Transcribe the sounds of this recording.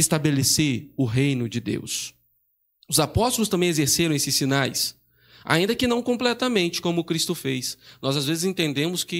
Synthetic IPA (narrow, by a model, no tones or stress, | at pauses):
ɪst̪abeleseɾʊɦejnʊd͡ʒɪd̪ḛws | ʊzapɔst̪olˠʊst̪ɐ̃mbẽj̃ezeɾseɾɐ̃w̃esɪsinajs | a̰ĩd̪ɐkɪnɐ̃w̃kõplɛt̪ɐmẽnt͡ʃɪ̥kõmʊkɾist̪ʊfejsnɔzazvezɪzẽnt̪ẽnd̪ẽmʊskɪ